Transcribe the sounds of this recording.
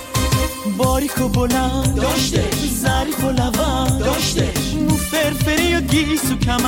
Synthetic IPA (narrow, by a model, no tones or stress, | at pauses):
bɔɾixobona | zaɾixolava | mufeɾfeɾijoɡisukʰam